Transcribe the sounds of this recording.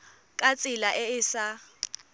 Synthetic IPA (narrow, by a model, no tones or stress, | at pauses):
kʼat͡sʼɪlaʔɪɪsa